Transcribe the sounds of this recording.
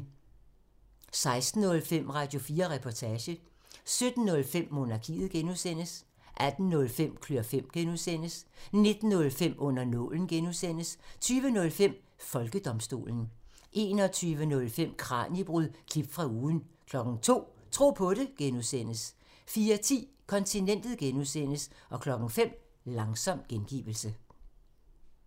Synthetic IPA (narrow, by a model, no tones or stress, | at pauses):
sɑ̈ɪsd̥n̩ːɔ̽lfem̰ʁɑ̈d̥jo̝fiːɐʁɛpʰɒt͡sʰæːɕə | sød̥n̩ːɔ̽lfem̰ːo̝nɑ̈kʰḭːð̩ˠɡ̥enuðˠsen̰əs | ʔæd̥n̩ːɔ̽lfem̰kʰløɐfem̰ɡ̥enuðˠsen̰əsne̝d̥n̩ːɔ̽lfem̰ʔɔ̽n̰ɐnɔ̽ln̩ɡ̥enuðˠsen̰əst͡sʰyːʋənɔ̽lfem̰ | fɒ̽lɡ̥əd̥ɒ̽msd̥o̝̰ːln̩ | ʔe̝ːnɒ̽t͡sʰyːʋənɔ̽lfem̰kʰʁɑ̰̈ːnib̥ʁyðˠkʰib̥fʁɑ̈uːðˠn̩kʰlɒ̽ɡ̥ŋ̩t͡sʰo̝̰ːt͡sʰʁo̝̰ːpʰɔ̽ɾe̝ɡ̥enuðˠsen̰əs | fiːɐt͡sʰḭː | kʰɒ̽nt͡sʰinen̰d̥ð̞̩ˠɡ̥enusen̰əsʔɒ̽kʰlɒ̽ɡ̥ŋ̩fem̰ | lɑ̈ŋsɒ̽m̰ɡ̥enɡ̥ḭːʋl̩sə